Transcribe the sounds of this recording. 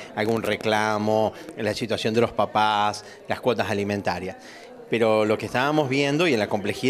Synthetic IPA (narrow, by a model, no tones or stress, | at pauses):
alɣunreklamo̞lasit̪wasjo̞nd̪elo̞spapas | laskwo̞t̪asalimẽnt̪aɾjas | peɾo̞lo̞kest̪aβamo̞zβjend̪o̞ienlako̞mple̞xið